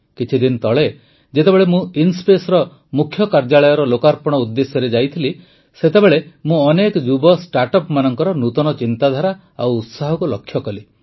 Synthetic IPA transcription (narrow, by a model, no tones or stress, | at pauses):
kit͡ʃʰid̪int̪ɔɭe | d͡ʒet̪ebeɭemũinspesɔɾɔ | mukʰjɔkaɾd͡ʒaɭɔjɔɾɔlokaɾpɔɽ̃ɔud̪ːesjɔɾed͡ʒajt̪ʰili | set̪ebeɭemũɔnekɔd͡ʒubɔsʈaɾʈɔpmanɔŋkɔɾɔnut̪ɔɽ̃ɔt͡ʃint̪ad̪ʱaɾa | a̰wːt̪saɦɔkulɔkʰːjɔkɔli